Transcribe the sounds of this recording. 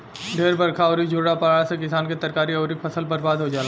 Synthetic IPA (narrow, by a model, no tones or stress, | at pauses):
ɖʱeːɾbɐɾkʰaɔːɾid͡ʒʱoːɽapəsekɪsaːnket̪ɐɾkaːɾiɔːɾipʰɐsəlbɐɾbaːd̪ʱɦod͡ʒaːla